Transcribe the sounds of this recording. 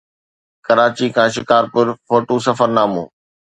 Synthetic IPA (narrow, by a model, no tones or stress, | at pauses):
kɐɾaːt͡ɕikʰãːʃɪkaːɾpʊɾfoːʈoːsɐfəɾnaːmṵ̃ː